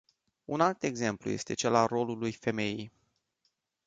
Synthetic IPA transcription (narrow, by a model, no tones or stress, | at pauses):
unalt̪e̞ɡze̞mplṵje̞̰st̪e̞t͡ʃe̞laro̞lulujfe̞me̞jij